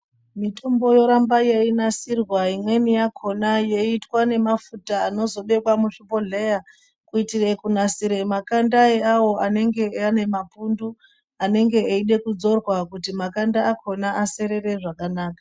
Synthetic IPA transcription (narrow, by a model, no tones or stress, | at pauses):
mito̞mbo̞jo̞ɾambajeinasirwaimwe̞nijakʰo̞naje̞itwane̞mafutaːno̞zo̞ɗekwamuʂipo̞ɮe̞ja | kuitire̞kunasiɾe̞makandaeawo̞ʔane̞ŋɡe̞ane̞mapundu | ane̞ŋɡe̞ːiɗe̞kud͡zo̞rwakutimakandaːkʰo̞naʔase̞ɾe̞re̞ʐakanaːkḁ